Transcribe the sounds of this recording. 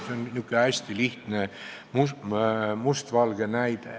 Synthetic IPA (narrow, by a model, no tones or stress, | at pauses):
seonnykːøæsʲt̪iliht̪nemu | must̪ʋɑlɡ̥enæid̪̥